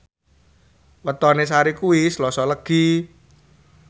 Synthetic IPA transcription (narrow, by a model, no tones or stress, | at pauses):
wət̪ɔnesaɾikuislɔsɔləɡ̥i